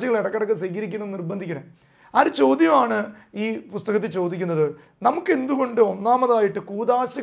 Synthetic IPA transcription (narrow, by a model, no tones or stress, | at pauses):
jɐɣɐɭeɽɐkːɐɽɐkːɨsɐjkɐɾikʲːunɳɐmenːirbɐnd̪ʱikʲːɐɳɐ | ɐɾɨt͡ɕo̞ːd̪jɐmaːɳɨ | iːpust̪ɐɣɐt̪̬ːilt͡ɕo̞ːd̪ikʲːunːɐðɨ | nɐmukːe̞nd̪uɣo̞ɳɖɨo̞nːaːmɐðaːjiʈːɨkuːd̪aːɕɐ